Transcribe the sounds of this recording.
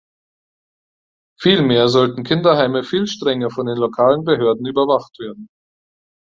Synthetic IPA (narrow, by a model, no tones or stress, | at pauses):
fiːlmeːɐzɔltn̩kʰɪndɐɦaɪməfiːlʃtʁ̥ɛŋɐfɔndeːnlokʰaːlənbəɦøːɐdn̩yːbɐvaχtv̥eːɐdn̩